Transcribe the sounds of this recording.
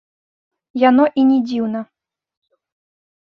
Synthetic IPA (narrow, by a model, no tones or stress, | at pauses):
janɔʔinʲɛd͡zʲiwnɐ